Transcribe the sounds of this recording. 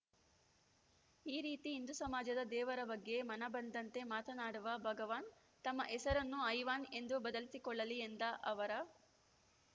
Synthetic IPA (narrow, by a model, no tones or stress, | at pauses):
iːɾiːt̪iːnd̪usɐmaːd͡ʒɐd̪ɐd̪ɛːʋɐɾɐbɐɡːe̞mɐnɐbɐnd̪ɐnt̪e̞maːt̪ɐnaːɽuʋɐbʱɐɡɐʋaːn | t̪ɐmːɐʔɛsɐɾɐnːuɐjʋaːne̞nd̪ubɐd̪ɐlisikɔɭːɐliend̪ɐʔɐʋɐɾɐ